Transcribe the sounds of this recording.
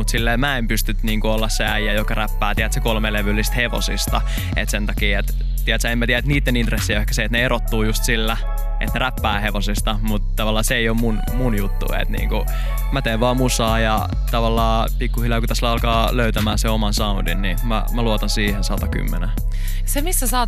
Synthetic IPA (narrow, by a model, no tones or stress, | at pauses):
mut̪silːeːmæempyst̪yt̪niːŋkuolːɑsseæjæjokɑræpːæːt̪iæt̪sekolmeleʋylːist̪heʋo̰sist̪ɑ | ḛt̪sent̪ɑkiːet̪ | t̪iæt̪sæemæt̪iææet̪niːt̪ːenint̪resːijehkæ̥seet̪neerot̪ːuːjust̪silːæ | ʔḛt̪neræpːæːheʋosist̪ɑmut̪t̪ːɑʋɑlːɑːseeijommun | munjut̪ːṵḛt̪nḭːŋku | mæt̪eːʋʋɑːmusɑːjɑ | t̪ɑʋɑlːɑː | pikːuhilɑkut̪æslæɑlkɑːløyt̪æmæːseomɑnsɑundinnimæ̰mæluot̪ɑnsiːhensɑt̪ɑky̰mːḛne | semisːæsɑː